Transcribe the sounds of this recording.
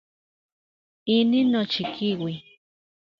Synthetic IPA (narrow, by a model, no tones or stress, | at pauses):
ininot͡ʃikʰiwi